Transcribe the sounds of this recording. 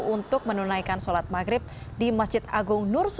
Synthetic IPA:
unt̪ʊk̚mənunaikansolat̪̚maɡɾɪp̚dimasdd͡ʒɪt̪aɡʊŋnʊrs

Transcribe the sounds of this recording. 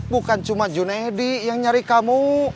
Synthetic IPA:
bukant͡ʃumad͡ʒunaedijaŋɲaɾikamu

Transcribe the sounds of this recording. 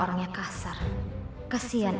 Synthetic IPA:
ɔɾaŋɲakasar | kasian

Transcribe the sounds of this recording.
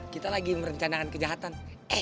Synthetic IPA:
kit̪alaɡiməɾəɲt͡ʃanakankəd͡ʒaɦat̪anɛ

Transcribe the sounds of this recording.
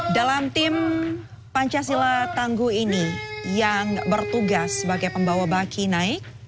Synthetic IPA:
dalamt̪ɪm | paɲt͡ʃas̬ilat̪aŋɡuinijaŋbərt̪uɡasəbaɡajpəmbawabakinaɪk̚

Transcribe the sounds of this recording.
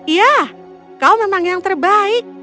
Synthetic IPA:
ja | kalomemaŋjaŋt̪ərbaiɪk̚

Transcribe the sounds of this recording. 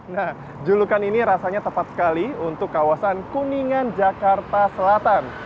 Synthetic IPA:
nah | d͡ʒulukaniniɾasaɲat̪əpat̪sə̥kaliunt̪ʊkːawasankuniŋand͡ʒakart̪asəlat̪an

